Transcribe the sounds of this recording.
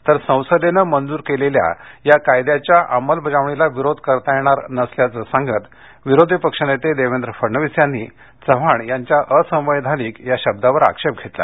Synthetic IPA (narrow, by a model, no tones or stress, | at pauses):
t̪əɾsə̃w̃səd̪enəmənd͡zuːɾkelelja̰jakajd̪jat͡ɕjaʔaməlbʱəd͡zaʋɳilaʋiɾod̪ʱkəɾt̪ajeɽ̃aɾnəsljat͡səsãŋɡʱət̪ | ʋiɾod̪ʱipəkʂənet̪ed̪eʋend̪ɾəfəɾɳəʋisjanːḭ | t͡səʋ̤aɳjaɲt͡ɕjaʔəsə̃w̃ʋəjd̪ʱaliːkjaɕəb̚d̪aʋəɾa̰kʂep̚ɡʱet̪la̰